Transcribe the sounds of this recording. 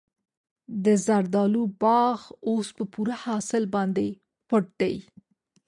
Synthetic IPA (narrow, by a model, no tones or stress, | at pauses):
d̪əzaɾd̪ɑlubɑɣospəpuɾahɑsɪlbɑnd̪e | pʊʈ̚d̪aj